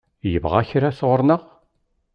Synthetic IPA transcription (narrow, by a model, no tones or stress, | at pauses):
jəvʁaçɾasəʁəɾnəʁ